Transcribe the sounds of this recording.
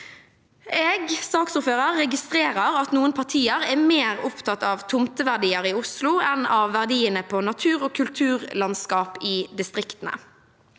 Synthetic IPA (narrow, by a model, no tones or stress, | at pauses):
eːɡsɑːksʊːɾføːʁəʁːɛɡɪst̪ʁeːʁəʁɑt̪nuːənpʰɑʁt̪ʰiːəʁɛːmeːʁʊpt̪ʰɑt̪ːɑːʋt̪ʰʊmt̪əʋæʁd̪iːəʁɪʊslʊɛnɑʋːæʁd̪iːənəpʰɔnɑt̪ʰʉːʁoːkʰʉlt̪ʰʉːʁlɑnskɑːpɪːd̪ɪst̪ʁɪkt̪ənə̰